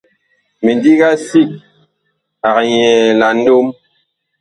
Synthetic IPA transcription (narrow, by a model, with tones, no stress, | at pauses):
me˨ndi˦ɣa˦si˦˨k̚ | a˨kjɛ˨la˨n̩˦do˦m